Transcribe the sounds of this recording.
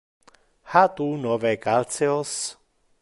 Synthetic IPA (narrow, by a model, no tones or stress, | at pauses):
hat̪unɔvɛkalt͡sɛɔs